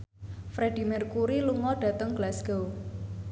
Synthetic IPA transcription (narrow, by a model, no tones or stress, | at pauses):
fɾeɖ̥i̤mɛrkuɾiluŋɔɖ̥ä̤t̪əŋɡ̥lasɡ̥ow